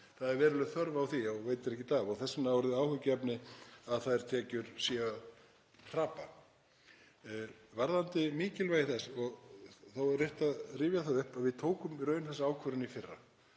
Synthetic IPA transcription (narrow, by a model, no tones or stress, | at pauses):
θaðɛɾvɛːɾɪlʏθœɾvawθiɔɣveːjt̪ɪɾɛhcɪt̪avɔɣθɛsːɪnawɔɾðɪaːwhœcɛpnɪaðθaðɛɾ̥t̪ʰɛːcʏɾ̥sia | t̪ʰɾaːpa | vaɾðant̪ɪmiːcɪlveːjɪθɛsɔɣθawrɪht̪aðriːvjaθaðʏhpaðvɪðt̪ʰoːwkʏmiɾœːɥnθɛsaaːwkʰvœɾʏnifɪrːa̰